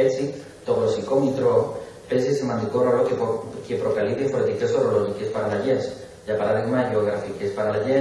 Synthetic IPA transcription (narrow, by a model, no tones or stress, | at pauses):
et͡si | t̪oɣosikomit̪ɾo | pesesemant̪ikorolokkepɾokaliðefoɾet̪ike̞soroloʝikespaɾalaʝes | dapaɾaðiɣmaʝeoɣɾafikespaɾalaʝe